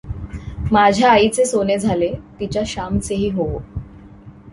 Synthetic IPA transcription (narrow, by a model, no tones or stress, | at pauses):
mad͡ʑʱjaːit͡sesoned͡zʱalet̪it͡ɕjaɕamt͡seɦiːɦoʋo